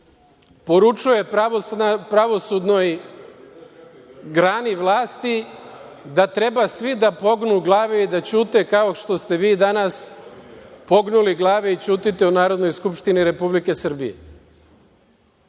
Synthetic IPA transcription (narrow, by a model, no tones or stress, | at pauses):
po̞ɾut͡ʃuje̞papɾaʋo̞sud̪no̞j | ɡɾaːniʋlˠaːst̪i | d̪at̪ɾe̞basʋid̪apo̞ɡnuɡlˠaːʋeid̪at͡ɕuːt̪ekao̞ʃt̪o̞st̪e̞ʋiːd̪anas | po̞ɡnuliɡlˠaːʋeit͡ɕuːt̪it̪e̞unaːɾo̞d̪no̞jskupʃt̪iniɾe̞publike̞sr̩bḭjḛ